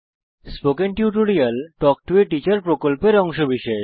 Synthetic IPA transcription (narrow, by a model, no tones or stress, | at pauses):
spokenʈjuʈoɾiɐlʈɔk̚ʈueʈit͡ɕaɾpɾokolpeɾɔŋʃobiʃɔe